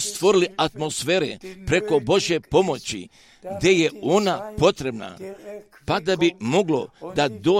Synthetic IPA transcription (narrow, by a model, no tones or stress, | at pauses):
st̪ʋo̞ɾiliat̪mo̞sfe̞ːɾḛpɾe̞ko̞bo̞ʒje̞po̞mo̞t͡ɕḭ | ɡd̪e̞jeonapo̞t̪ɾe̞bna̰ | pad̪abimo̞ɡlo̞d̪ad̪oː